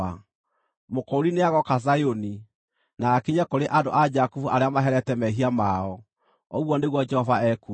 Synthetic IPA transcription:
a | mokɔɾineaɣɔkazajoni | naːkiɲakoɾeʔado̰ʔad͡ʒakufuʔaɾeamaɦɛɾɛtɛmɛɦiamaɔ | ɔɣwɔneɣwɔd͡ʒɛhɔvaɛku

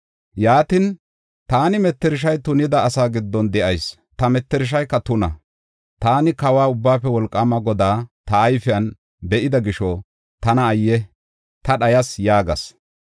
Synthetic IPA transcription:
jaːt̪ɪn | t̪aːnɪmɛt̪ːɛɾɪʃ̬ɐjt̪ʊnɪd̪ɐːsaːɡɪd̪ːɔnd̪ɛʔɐjs | t̪ɐmɛt̪ːɛɾɪʃ̬ɐjkːɐt̪ʊnɐ̰ | t̪aːnɪkɐwaːʊbːaːpːɛwɔlkʼːɐmɐɡɔd̪aːt̪ɐːjfɪjɐn | bɛʔɪd̪ɐɡɪʃɔ | t̪ɐnɐːjːɛ | t̪ɐɗɐjɐsjaːɡɐ̰s

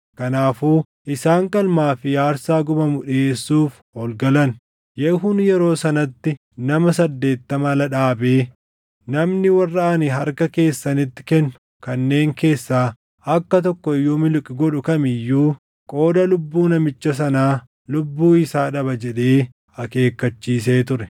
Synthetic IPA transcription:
kɐnaːfuː | ʔɪsaːŋkʼɐlmaːfɪjaːɾsaːɡʊmɐmʊᶑeːsːuːf | hɔlɡɐlɐn | jɛhʊnjɛɾo̞ːsɐnɐt̪ːɪ | nɐmɐsɐd̪ːe̞ːt̪ːɐmɐlɐᶑaːbeː | nɐmnɪwɐrːaʔnɪɦɐɾkɐke̞ːsːɐnɪt̪ːɪ̥kɛnːʊ̥ | kɐnːe̞ːŋke̞ːsːaː | ɐkːɐt̪̬ɔkːɔɪjoːmɪlʊkʼɪɡɔᶑʊkɐmɪjːuː | kʼo̞ːd̪ɐlʊbːuːnɐmɪt͡ʃːɐs̬ɐnaː | lʊbːuːɪsaːᶑɐbɐd͡ʒɛᶑe̞ː | ɐke̞ːkːɐt͡ʃːiːs̬e̞ːt̪ʊɾɛ̥

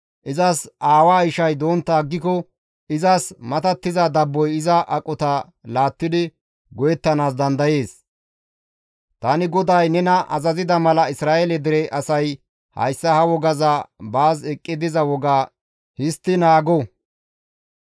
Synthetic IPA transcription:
ʔɪzɐsʔaːwaːɪʃɐjd̪o̞ːnt̪ːaːɡːɪkɔ | ʔɪzɐsmɐt̪ɐt̪ːɪzɐd̪ɐbːɔjɪzɐʔɐkʼɔt̪ɐ | laːt̪ːɪd̪ɪ | ɡɔjɛt̪ːɐnaːs̬d̪ɐnd̪ɐje̞ːs | t̪ɐnɪɡɔd̪ɐjnɛnɐʔɐ̰zɐzɪd̪ɐmɐlɐɪsɾaːʔɛlɛd̪ɪɾɛʔɐsɐj | hɐ̰jsːɐhɐwɔɡɐzɐbaːzɛkʼːɪd̪ɪzɐwɔɡaː | hɪst̪ːɪnaːɡɔ

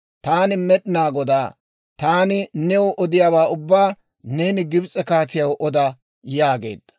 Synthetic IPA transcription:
t̪aːnɪmɛɗɪnaːɡɔd̪aː | t̪aːnɪnɛwʊʔɔd̪ɪjaːwaːʊbːaː | ne̞ːnɪɡɪbt͡sʼɛkaːt͡sɪjɐwʔɔd̪ɐ | jaːɡe̞̰ːd̪ːɐ̥

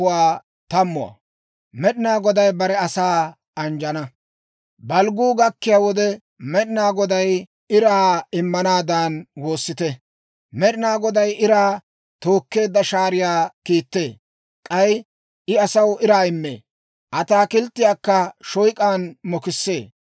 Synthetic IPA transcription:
ʊwaː | t̪ɐmːʊɐ̰ | mɛɗɪnaːɡɔd̪ɐjbɐɾɛɐsaː | ɐnd͡ʒɐnɐ | bɐlɡuːɡɐkːɪjaːwɔd̪ɛ | mɛɗɪnaːɡɔd̪ɐj | ɪɾaːɪmːɐnaːd̪aːnwo̞ːsːɪt̪ɛ | mɛɗɪnaːɡɔd̪ɐjʔɪɾaː | t̪o̞ːkːe̞ːd̪ːɐʃaːɾɪjaːkiːt̪ːe̞ː | kʼɐj | ʔɪɐsɐwɪɾaːɪmːḛː | ʔɐt̪aːkɪlt̪ːɪjaːkːɐʃɔjkʼaːnmɔkɪsːe̞ː

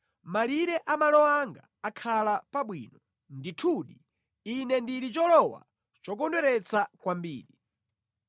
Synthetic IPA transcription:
maliɾɛʔamalɔaŋɡa̰ːkʰalapaɓwiːnɔ | nditʰuːɗi | inɛndiɾit͡ʃɔlɔwa̰ | t͡ʃɔk̬ɔndwɛɾɛt͡sʰakwambiːɾi

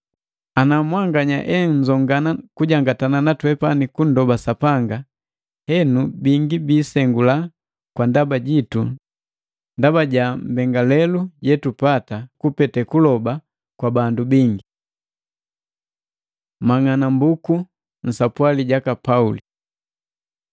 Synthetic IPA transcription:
anamwaŋɡaɲa̰ʔɛŋ̩zɔŋɡanakuɟaŋɡatananatwɛpanikun̩dɔbasapaŋɡa | hɛnubiŋɡibiːsɛŋɡula | kwandabaɟitu | ndabaɟam̩bɛŋɡalɛluɟɛtupatakupɛtɛkulɔba | kwabandubiŋɡi | maŋanambuku | n̩sapwaliɟakapauli

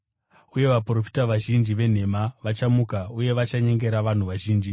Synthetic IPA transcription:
uje̞ʋapro̞fi̥taʋaʒind͡ʒiʋe̞n̤e̞maʋat͡ʃamukauje̞ʋat͡ʃaɲe̞ŋɡe̞ɾaʋan̤uʋaʒiːnd͡ʒi

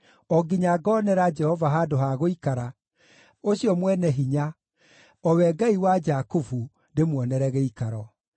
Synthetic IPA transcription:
ɔɡiɲaɡɔːnɛɾad͡ʒɛhɔvaɦadoɦaɣoikaɾa | oɕijɔmwɛnɛɦiɲa | ɔwɛɡaiwad͡ʒakufu | ndemwɔnɛɾɛɣɛikaɾɔ

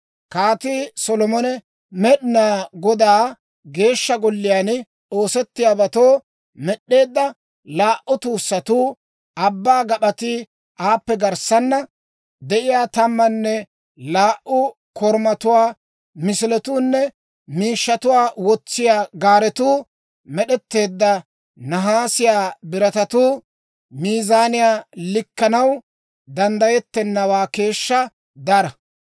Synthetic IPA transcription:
kaːt̪iːsɔlɔmɔnɛ | mɛɗɪnaːɡɔd̪aː | ɡe̞ːʃːɐɡɔlːɪjaːn | o̞ːsɛt̪ːɪjaːbɐt̪oː | mɛɗːe̞ːd̪ːɐ | laːʔʊt̪uːsːɐt̪uː | ɐbːaːɡɐɓɐt̪i | ʔaːpːɛɡɐɾsɐnːɐ | d̪ɛʔɪjaːt̪ɐmːɐnːɛ | laːʔʔʊ | kɔɾmɐt̪ʊwaː | mɪsɪlɛt̪uːnːɛ | miːʃːɐt̪ʊwaːwɔt͡sːɪjaːɡaːɾɛt̪uː | mɛɗɛt̪ːe̞ːd̪ːɐ | nɐɦaːsɪjaːbɪɾɐt̪ɐt̪uː | miːzaːnɪjaːlɪkːɐnɐw | d̪ɐnd̪ɐjɛt̪ːɛnːɐwaːke̞ːʃːɐ | d̪ɐɾɐ

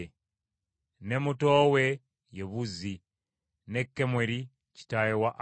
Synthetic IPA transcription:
nemutowe | jeβuzi | nekːemweɾi | ci̥tajewaʔ

